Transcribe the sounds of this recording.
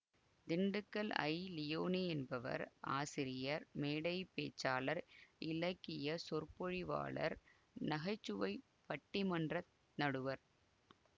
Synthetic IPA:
d̪ɪɳɖɯkːɐlɐ̰ɪlɪjoːniɛnbɐʋɐ̰ɾa̰ːsɪɾɪjɐɾmeːɽɐɪpeːt͡ʃːaːlɐɾɪlɐkːɪjɐsɔɾpɔɻiʋa̰ːɭɐ̰ɾ | nɐɣɐɪt͡ʃːɯʋɐɪ | pɐʈːɪmɐndrɐ | nɐɽɯʋɐɾ

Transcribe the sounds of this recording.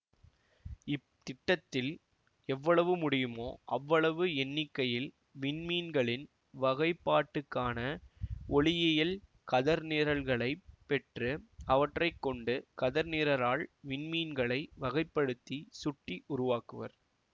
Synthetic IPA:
ɪpt̪ɪʈːɐt̪ːɪl | ɛʋːɐɭɐʋɯmʊɽɪjɯmoːʔɐʋːɐɭɐʋɯɛnːɪkːɐjɪl | ʋɪnmiːnɡɐɭɪn | ʋɐɣɐɪpːaːʈːɯkːaːnɐɔɭɪjɐjɪl | kɐðɐɾneːɾɐlɣɐɭɐɪpːɛʈrɯɐʋɐʈrɐɪkːɔɳɖɯkɐðɐɾneːɾɐɾaːɭʋɪɳmiːnɡɐɭɐɪʋɐɣɐɪpːɐɽɯt̪ːisʊʈːiʔʊɾʊʋaːkɯʋɐ̰ɾ

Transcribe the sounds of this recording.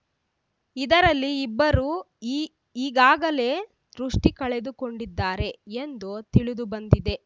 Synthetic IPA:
id̪ɐɾɐlːiːbːɐɾuː | iːɡaːɡɐle̞ː | d̪̥ɾuʂʈikɐɭed̪uko̞ɳɖid̪ːaːɾe̞end̪ut̪iɭud̪ubɐnd̪id̪e̞

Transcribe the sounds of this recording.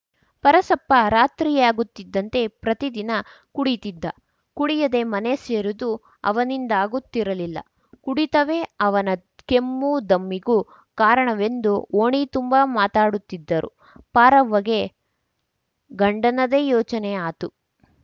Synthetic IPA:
pɐɾɐsɐpːɐɾaːt̪ɾiːjaːɡut̪ːid̪ːɐnt̪e̞pɾɐt̪id̪inɐ | kuɽit̪id̪ːɐ | kuɽijɐd̪e̞mɐne̞seːɾud̪u | ɐ̰ʋɐnind̪aːɡut̪ːiɾɐlilːɐ̰ | kuɽit̪ɐʋe̞ɐʋɐnɐ | kemːud̪ɐmːiɡu | kaːɾɐɳɐʋe̞nd̪uoːɳit̪umbamaːt̪aːɽut̪ːid̪ːɐɾʔṵ | paːɾɐʋːɐɡe̞ | ɡɐɳɖɐnɐd̪ejɔːt͡ʃɐneaːt̪u

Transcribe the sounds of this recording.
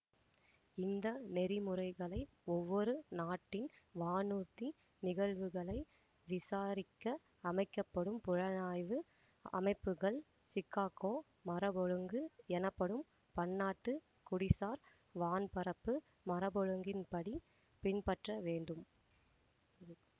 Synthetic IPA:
ɪnd̪ɐnɛɾɪmɯrɐɪɣɐɭɐɪ | ɔʋːɔɾɯnaːʈːɪnʋaːnuːt̪ːi | nɪɣɐɭʋɯɣɐɭɐɪ | ʋɪsaːɾɪkːɐ | ɐmɐɪkːɐpːɐɽɯmpʊɻɐnaːjʋɯ | ɐ̰mɐɪpːɯɣɐɭ | sɪkːaːkoː | mɐɾɐbɔɻɯŋɡɯɛnɐpːɐɽɯm | pɐɳːaːʈːɯ | kʊɽɪsaːɾ | ʋaːnpɐɾɐpːɯ | mɐɾɐbɔɻɯŋɡɪnpɐɽi | pɪnpɐʈrɐʋeːɳɖɯm

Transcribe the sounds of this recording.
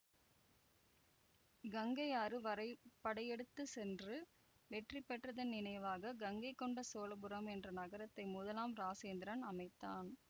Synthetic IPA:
ɡɐŋɡɐɪaːɾɯʋɐɾɐɪpːɐɽɐjɛɽɯt̪ːɯsɛndrɯ | ʋɛʈripːɛʈrɐðɐnɪnɐjʋaːɣɐɡɐŋɡɐɪkːɔɳɖɐsoːlɐbɯɾɐmɛndrɐnɐɣɐɾɐt̪ːɐɪmʊðɐlaːmɾaːseːnd̪ɪɾɐnɐmɐɪt̪ːaːn

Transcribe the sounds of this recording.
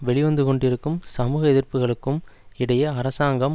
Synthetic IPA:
ʋɛɭɪʋɐnd̪ɯkɔɳɖɪɾɯkːɯmsɐmuːɣɐɛðɪɾpɯɣɐɭɯkːɯmɪɽɐjɐːɾɐsaːŋɡɐm

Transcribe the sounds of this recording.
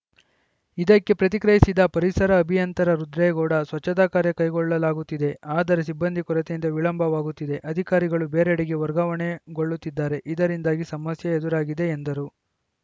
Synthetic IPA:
id̪ɐkːe̞pɾɐt̪̬ikɾɐjisid̪ɐpɐɾisɐɾɐːbʱijɐnt̪ɐɾɐɾud̪ɾɛjɐɡɔːɽɐsʋɐt͡ʃːɐd̪aːkaːɾjɐkɐjɡɔɭːɐlaːɡut̪ːid̪e̞aːd̪ɐɾes̬ibːɐnd̪ʱikɔɾɐt̪ejint̪ɐʋiɭɐmbʱɐʋaːɡut̪ːid̪e̞ʔɐd̪ʱikaːɾiɡɐɭubeːɾeɽiɡe̞ʋɐɾɡɐʋɐɳe̞ɡo̞ɭːut̪ːid̪ːaːɾe̞ʔid̪ɐɾind̪aːɡisɐmɐsjɐed̪uɾaːɡid̪e̞ːnd̪ɐɾu

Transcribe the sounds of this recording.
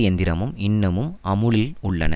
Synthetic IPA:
jɛnd̪ɪɾɐmɯmɪɳːɐmɯmɐmɯɭɪlʊɭːɐ̰nɐ̰

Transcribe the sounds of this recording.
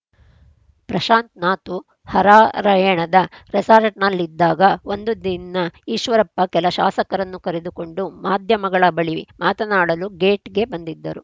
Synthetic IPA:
pɾɐʃaːnt̪naːt̪u | hɐɾaːɾɐjɛɳɐd̪ɐɾɛsaːɾɐʈnɐlːid̪ːaːɡɐond̪ud̪inːɐiːʃʋɐɾɐpːɐkɛlɐʃa̰ːsɐkɐɾɐnːukɐɾed̪uko̞ɳɖumaːd̪ʱjɐmɐɡɐɭɐbɐɭiimaːt̪ɐnaːɽɐluɡe̞ːʈɡe̞bɐnd̪id̪ːɐɾu

